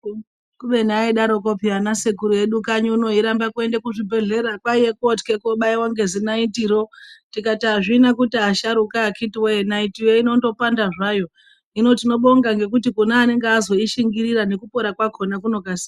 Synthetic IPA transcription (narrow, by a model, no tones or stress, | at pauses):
kuʋe̞niaiɗaɾo̞kopianasekuɾuje̞ɗukaɲuuno̞iɾambakue̞ndekuʐibʱe̞ɮe̞ɾakwaijekotkekoɓaiwaŋɡe̞zinaitiɾo̞tikataʐinakutiaʃaɾukaːkʰitiweenaitiweino̞to̞pandaʐajo̞ | ino̞tino̞ɓo̞ŋɡaŋɡe̞k̬utikunaːne̞ŋɡeazo̞iʃiŋɡiɾirane̞kupo̞ɾakwakʰo̞nakuno̞kasi